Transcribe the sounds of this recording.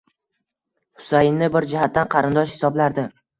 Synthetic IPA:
hʊ̥sajɪnːɪbɪɾd͡ʒɪhat̪ːanqʰɑɾɪnd̪ɒʃhɪ̥sɒblaɾd̪ɪ

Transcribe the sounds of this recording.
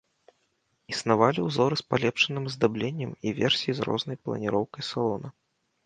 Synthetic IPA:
isnavalʲiwzɔɾɨspalʲɛpʂɨnɨmzd̪ablʲenʲːɐmivʲɛrsʲijizrɔ̰znɐjplˠɐ̰nʲiɾɔwkɐjsalˠɔnɐ

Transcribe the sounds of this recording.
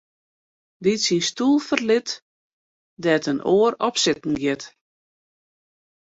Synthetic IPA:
ditsinstulˠfərlɪt | dɛtənʔoːəɾɔpsɪtn̩ɡjɪt

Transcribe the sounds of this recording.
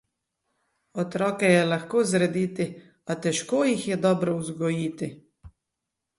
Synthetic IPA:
ɔt̪ɾɔːkɛjɛlaxkoːzɾɛd̪iːt̪i | at̪ɛʃkoːjixjɛd̪ɔːbɾɔuzɡɔjiːt̪i

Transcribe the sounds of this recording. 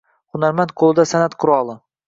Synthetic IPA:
χʊnaɾmant̪̚qʰolˠɪd̪asanat̪qʰʊɾɒlˠɪ

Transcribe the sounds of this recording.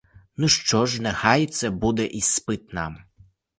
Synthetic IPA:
nuʃt͡ʃɔʒnɛxɑjɛt̪sɛbud̪ɛʔispɪt̪̚nɑ̰m

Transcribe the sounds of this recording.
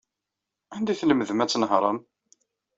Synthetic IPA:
and̪iθləməðmæt͡sːnəhɾˤəm

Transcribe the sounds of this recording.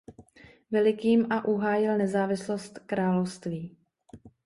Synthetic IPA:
vɛlɪkiːmʔaʔuɦaːjɪlnɛzaːvɪslost̪kɾaːlowst̪viː

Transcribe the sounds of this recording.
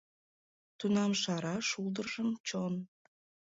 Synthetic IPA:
t̪unɑmʃɑɾɑʃuld̪ərʒəmt͡ɕon

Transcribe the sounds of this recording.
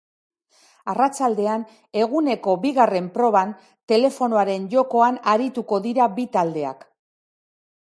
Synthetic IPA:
arat͡sald̪e̞an | e̞ɣune̞ko̞biɣare̞mpɾo̞β̞an | t̪e̞le̞fo̞noaɾe̞nʝo̞ko̞anaɾit̪uko̞ðiɾabit̪ald̪e̞a̰k

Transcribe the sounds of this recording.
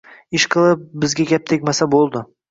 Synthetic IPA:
ɪʃqʰɨlˠɪp̚bɪzɡʲaɡʲap̚t̪ʰekʲmasabolˠd̪ɪ

